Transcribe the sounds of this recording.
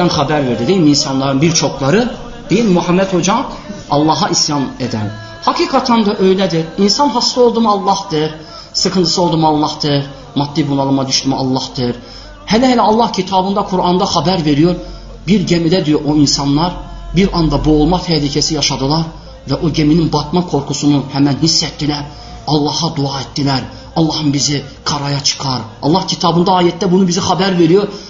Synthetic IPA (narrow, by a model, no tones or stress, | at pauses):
ænχæbæɾveɾd̪id̪ejiminsɑnlˠɑɾɯnbiɾt͡ʃʰo̞χlˠɑɾɯ | d̪̥ejilmuħæmːæt̪hod͡ʒɑn | ɑlˠːɑɦɑʔisjɑned̪æn | hɑkʰiːkʰɑt̪ʰɑnd̪ɑʔøjlæd̪iɾinsɑnɦɑslˠɯo̞lˠd̪umɑlˠːɑhd̪ɯɾ | sɯkʰɯnt̪ʰɯsɯolˠd̪umɑlˠːɑhd̪ɯɾ | mɑt̪ːibulˠɑlˠɯmɑd̪yʃt̪ymɑlˠːɑhd̪ɯɾ | hælæɦælæɑlˠːɑhcʰit̪ʰɑbɯnd̪ɑkʰuɾʔɑnd̪ɑxæbæɾve̞ɾijoɾ | biɾɟemid̪æd̪ijoʔoinsɑnːɑɾ | biɾɑnd̪ɑbolˠmɑfæd̪icʲʰæsijɑʃɑd̪ɯlˠɑɾ | væʔoɟemininbɑt̪mɑkʰo̞ɾkʰusunuhæmænhisːɛt̪ːilæɾ | ɑlˠːɑɦɑd̪uɑet̪ːilæɾ | ɑlˠːɑhɯmbizi | kʰɑɾɑjɑt͡ʃʰɯ̥qʰɑɾɑ̰lˠːɑhcʰit̪ʰɑbɯnd̪ɑɑːjɛt̪̚d̪æbunubizixæbæɾve̞ɾijoɾ